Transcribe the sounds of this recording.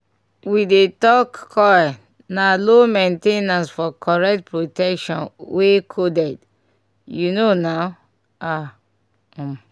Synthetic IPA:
widetɔkːʰɔɛ | nalomẽntenãnsfɔkʰɔɹɛk̚t̚pɹotɛkʃɔ̃nwekʰodɛd | junonaʊ | a

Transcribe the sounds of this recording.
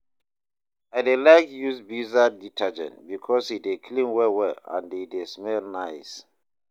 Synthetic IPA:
aɪdelaɪkjusbizaditʰad͡ʒɛ̰̃ntbikʰɔshidekʰlĩmwɛwɛã̰ndedesmɛlnaɪs

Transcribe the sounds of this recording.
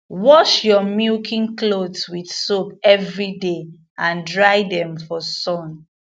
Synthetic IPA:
wɔʃjɔmilkʰĩŋklodswidsopɛvɹide | ãndɹajdɛ̃mfɔsɔ̃n

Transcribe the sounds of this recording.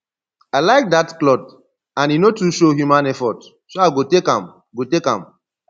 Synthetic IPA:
aɪlaɪk̚datklɔt | ãninotuʃohjumãnɛfɔt | soaɪɡotekã̰m | ɡotekã̰m

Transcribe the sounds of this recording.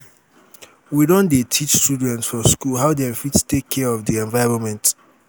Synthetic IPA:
widõndetʰit͡ʃstudɛ̃ntsfɔskulɦaʊdɛ̃fitstekʰːɛɔvdiɛ̃ɱvaɪɹɔ̃nmɛ̃nt

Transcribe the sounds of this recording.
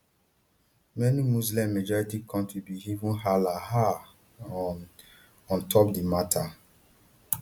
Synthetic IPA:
mɛnimuzlɛ̃mːed͡ʒɔɹitikʰɔ̃ntɹibiivũnhalaha | ɔ̃ntʰɔpdimatʰa

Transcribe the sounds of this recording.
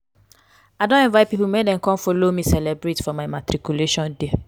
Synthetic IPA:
aɪdõnɛ̃nvaɪpipumedɛ̃mkɔ̃mfolomĩsɛlɛbɹɾetfɔmaɪmatɾikjuleʃɔ̃nde

